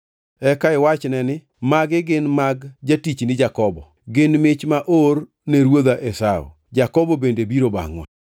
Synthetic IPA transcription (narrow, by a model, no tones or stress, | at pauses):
ɛkaɪwat͡ʃnɛnɪ | maɡɪɡɪnmaɡd͡ʒatit͡ʃnɪd͡ʒakɔbɔ | ɡɪnmɪt͡ʃmaʔor | neɾwod̪aʔesao̰ | d͡ʒakɔbɔbendebiɾoba̰ŋwɛ̰